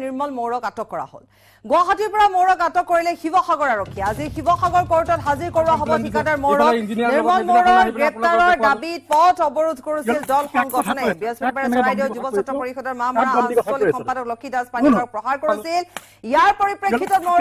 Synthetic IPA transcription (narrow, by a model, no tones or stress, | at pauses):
niɹmɔlmowɹɔkatɔkːɔɹa̰ho̰l | ɡʊaɦatiɹpɔɹamowɹɔkatɔkːoɹilɛxibɔxaɡɔɹaɹokʰːijaazixibɔxaɡɔɹkoɹtɔtɦaziɹkoɹuwaɦɔbɔtʰikadaɹmoɹɔkniɹmɔlmoɹɔɡɹɛptaɹɔɹdabit̚pɔtɔbɔɹudʱkoɹusildɔlxɔŋɡɔtʰɔnabiɔsbɛbaɹɛsɔɹajdeʊzubɔsɔtɹɔpoɹixɔdɔɹmamaɹaasɔlixɔmpadɔklokʰːidaspaniɔɹɔk̚pɹɔxaɹkoɹisil | ijaɹpoɹipɹekːitɔtmo